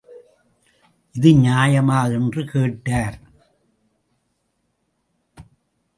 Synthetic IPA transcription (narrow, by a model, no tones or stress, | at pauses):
ʔɪðɯɲaːjɐmaːɣɛndrɯkeːʈːaːɾ